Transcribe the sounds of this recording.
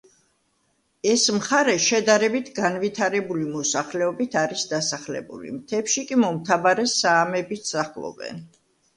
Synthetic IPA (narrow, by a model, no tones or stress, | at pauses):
ɛsmχaɾɛʃɛd̪aɾɛbit̪ʰɡanvit̪ʰaɾɛbulimɔsaχlɛɔbit̪ʰaɾisd̪asaχlɛ̰bṵlḭmt̪ʰɛpʃikʼimɔmt̪ʰavaɾɛsaːmɛbit̪saχlˠɔ̰bɛ̰n